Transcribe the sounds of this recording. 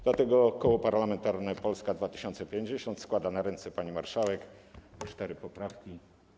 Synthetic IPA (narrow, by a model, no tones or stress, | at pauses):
d̪lat̪ɛɡɔkɔwɔpaɾlamɛnt̪aɾnɛpɔlskad̪vat̪ɘ̥ɕɔnt̪sɛpʲjeɲd͡ʑeɕɔnt̪skwad̪anaɾɛnt̪sɛpaɲimaɾʂawɛkt͡ʂt̪ɛɾɘpɔpɾafkʲi